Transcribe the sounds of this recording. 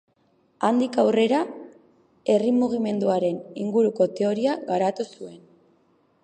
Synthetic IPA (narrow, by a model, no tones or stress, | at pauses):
and̪ikawre̞ɾa | e̞rimuɣ̞ime̞nd̪uaɾe̞niŋɡuɾuko̞t̪e̞o̞ɾiaɣaɾat̪usue̞n